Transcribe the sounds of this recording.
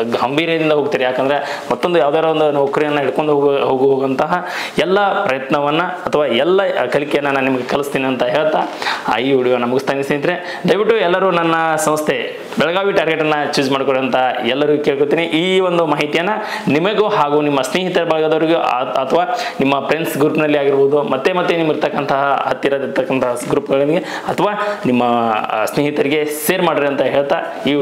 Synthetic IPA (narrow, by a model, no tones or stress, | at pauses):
ɡɐmbʱiːɾɐjɐd̪ind̪ɐɦoːɡ̚t̪iːɾejaːkɐnd̪ɐɾe̞mɐt̪ːond̪ujaːʋd̪eaːɾond̪unɔkːɐɾijɐnːɐiɽkoɳɖuɦoːɡuɦoːɡɐnt̪ɐɦɐ | ɛlːɐpɾɐjɐt̪nɐʋɐnːɐɐt̪ʰɐʋaːɛlːɐkɐlikɛjɐnːɐnɐnːimɐɡekɐlust̪iːniɐnt̪ɐɦeːɭt̪aɐ̰juɽijɐnːɐmuɡust̪aːnist̪id̪ɐɾe | ɖɐjʋiʈːuɛlːɐɾuːnɐnːɐsɐ̃mst̪ʰe | bɛɭɐɡaːʋiʈaːɾɡeʈːɐnːɐt͡ʃuːd͡ʒmaːɖkoɽeɐnt̪ɐɛlːɐɾukeːɭkot̪ːiːniʔiːʋond̪umaːɦit̪ijɐnːɐ | nimɐɡuɦaːɡunimːɐsneːɦit̪ɐɾɐbɐɭɐɡɐd̪ɐʋɐɾiɡuɐt̪ʰɐʋaːnimːɐpɾeɳsɡɾuːpnɐlːiaːɡiɾboːd̪umɐt̪ːe̞mɐt̪ːenimiɾt̪ɐkːɐnt̪ʰɐɦɐɦɐt̪jɐɾɐd̪iɾt̪ɐkːɐnt̪ɐɦɐɡɾuːpɡɐɭinɐɡe | ɐt̪ʰɐʋaːnimːɐsneɦit̪ɐɾiɡe̞seːɾmaːɖiɾeɐnt̪ɐɦeːɭt̪a | iː